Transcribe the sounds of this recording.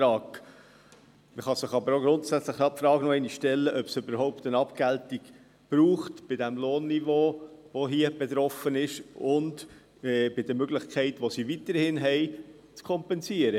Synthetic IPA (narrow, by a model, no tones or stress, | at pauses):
ɾɑːk | məχɑsɪχɑbəɾoɡɾʊntsæt͡sləχɑpfɾɑːɡnɔɛɪniʃʃtɛlːəʔœpsʏbəɾɦɔʊpt̪ənɑpɡ̥æltiɡ | b̥ɾuːχtb̥ɪdæmloːnːivoːʋoɦiəb̥ɛt̪ɾɔfənɪʃʊnd | b̥ɪd̥əmøɡlɪχkʰχɛɪtʋosiʋit̪əɾhɪnɦɛɪ | t͡skʰɔmpɛnsiəɾə